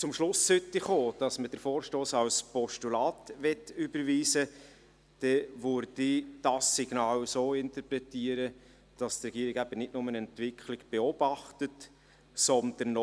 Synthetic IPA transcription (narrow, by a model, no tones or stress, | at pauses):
t͡sʊmʃlʊsʏtːiχoːd̥ɑsməd̥əɾfoːɾʃtoːsɑwspɔʃtulɑːtʋɛtybəɾʋiːsə | d̥ɛʋøɾd̥id̥ɑsːiɡ̥nɑːwsoːɪntəpɾɛtiəɾə | d̥ɑstrɛɡ̥iːəɾɪɡæb̥ənɪtnʊmənɛntvɪkχlɪɡ̥b̥ɛɔb̥ɑχtət | sɔnd̥ənɔ